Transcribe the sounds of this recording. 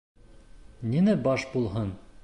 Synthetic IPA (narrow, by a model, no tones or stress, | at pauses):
ninɘbɑʃbulˠɦɤn